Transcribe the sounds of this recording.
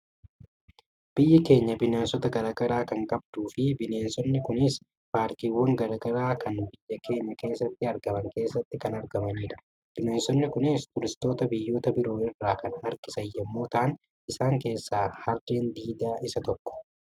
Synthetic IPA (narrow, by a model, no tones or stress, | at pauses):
b̥ɪjːɐke̞ːɲːɐbɪneːnsɔt̪ɐɡɐɾaːɡɐɾaːkɐŋkʼɐb̚d̪̥uːfɪbɪne̞ːnsɔnːɪkʊnɪs | paːɾt̪iːwːɐŋɡɐɾaːɡɐɾaːkʰɐnbɪjːɐkʰe̞ːɲːɐke̞ːsːɐt̪ːɪɐɾɡɐmɐŋke̞ːsːɐt̪ːɪkɐnɐɾɡɐmɐniːᶑɐ̥ | b̥ɪneːnsɔnːɪkʊnɪst̪ʊɾɪst̪o̞ːt̪ɐbɪjːo̞ːt̪ɐbɪɾo̞ːɪrːaːkɐnhɐɾkɪsɐjːɛmːo̞ːt̪ɐʔn | ɪsaːŋke̞ːsːaːhɐɾd̪eːnd̪iːd̪aːʔɪsɐt̪ɔkːɔ̥